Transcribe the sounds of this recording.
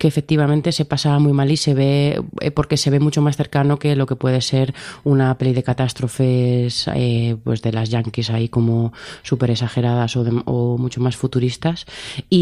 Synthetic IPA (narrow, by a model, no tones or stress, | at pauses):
keːfe̞k̚t̪iβ̞amẽnt̪e̞se̞pasamuimalise̞βe̞ḛpo̞ɾke̞se̞βe̞mut͡ʃo̞masθe̞ɾkano̞ke̞lo̞ke̞pwe̞ð̞e̞se̞ɾunape̞liðe̞kat̪ast̪ɾo̞fe̞sepwe̞zðe̞lazʝaŋkisaiko̞mo̞supe̞ɾe̞saxe̞ɾaðaso̞ðemomut͡ʃo̞masfut̪uɾist̪asi